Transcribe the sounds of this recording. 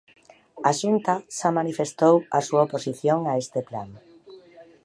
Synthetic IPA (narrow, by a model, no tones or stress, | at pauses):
aʃunt̪aʃamanifest̪owasuaoposiθjoŋaest̪epla̰n